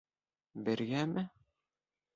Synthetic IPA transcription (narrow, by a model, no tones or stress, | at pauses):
bɘ̆ɾɡæmʔɘ